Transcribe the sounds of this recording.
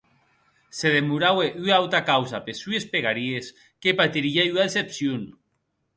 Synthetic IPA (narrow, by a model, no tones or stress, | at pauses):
seðemuɾaweʔyawt̪akawzapesyespeɣaɾies | kepat̪iɾiayaðesepsjun